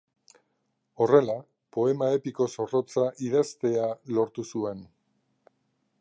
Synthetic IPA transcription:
o̞re̞la | po̞e̞mae̞piko̞so̞ro̞t͡saʔiðest̪e̞alo̞ɾt̪usue̞n

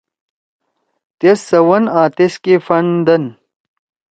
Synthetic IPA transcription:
t̪esɐwɐnaːt̪eskefɐnd̪ɐn

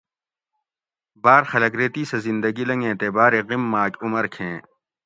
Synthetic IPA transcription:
baːɾxɐlɐkɾeːt̪isezɪ̃nd̪əɡilɐ̃ŋɡẽːt̪eːbaːɾeɣimːaːkʊmɐɾkʰẽː

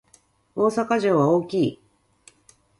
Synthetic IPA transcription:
o̞ːsakaʑo̞ːβaoːkʲiː

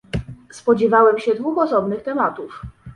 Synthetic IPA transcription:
spɔd͡ʑɛvawɛmɕɛd̪vuxɔsɔbnɘxt̪ɛmat̪uf

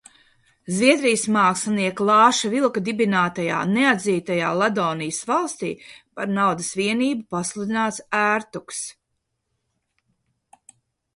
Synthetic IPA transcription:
zvʲiɛd̪ɾijsmaːksaniɛklˠɑːʃavilˠkad̪ibinaːt̪aja̰ːnead̪ziːt̪ajaːlˠad̪ɔːnijəsvalˠst̪ḭːpaɾnawd̪ɐsviɛniːbupaslˠud̪inaːt̪sæːɾt̪uks

